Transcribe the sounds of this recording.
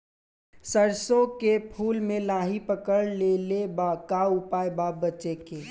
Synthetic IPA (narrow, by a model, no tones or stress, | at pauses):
səɾsõkepʰuːlmẽlaːɦipəkəɽleːlebakaʊpaːebabət͡ʃekeː